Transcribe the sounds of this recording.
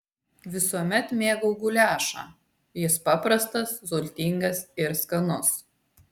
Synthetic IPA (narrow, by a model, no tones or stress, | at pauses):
ʋʲɪsuɔmʲɛt̪mʲeːɡɐʊɡʊlʲæːʃɑ̰ː | jɪspɑpɾɐst̪ɐszʊlʲt̪ʲɪŋɡɐsɪɾskɐnʊs